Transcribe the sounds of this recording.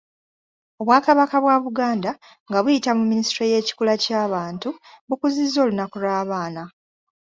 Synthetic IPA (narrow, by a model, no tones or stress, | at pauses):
o̞βwaːkaβakaβwaβuɡaːnda | ŋɡaβujitamumːinisitɾoje̞ːci̥kulacaːβaːntuβukuzizːo̞ːlunakulwaːβaːna